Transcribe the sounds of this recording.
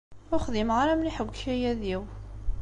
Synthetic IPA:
ʊχðimʁaɾæmniħəɡʷçæjæðiw

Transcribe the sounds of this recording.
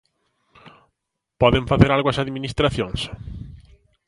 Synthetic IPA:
pɔðeɱfaθeɾalɣwɐsaðminist̪ɾaθjõŋs

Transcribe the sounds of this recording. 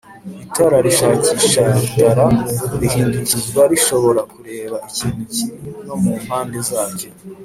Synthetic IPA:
itaɾaɾiʃaːciʃadaɾaɾihiːnducizɡwaɾiʃo̞βo̞ɾakuɾe̞ːβaiciːn̥ucino̞mum̥haːndezaːɟe

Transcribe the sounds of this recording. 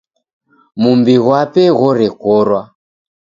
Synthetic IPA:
mumbiɣwapɛɣɔɾɛkɔɾwa

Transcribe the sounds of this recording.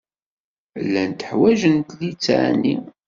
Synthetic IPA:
lːænt̪əħwæʒənt̪lit͡sːʕ̰ni

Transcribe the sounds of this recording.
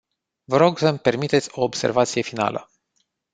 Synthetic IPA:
vəɾo̞ɡsəmpe̞rmit̪e̞t̪sʲo̞ːbse̞̰rvat̪sije̞fina̰lə̰

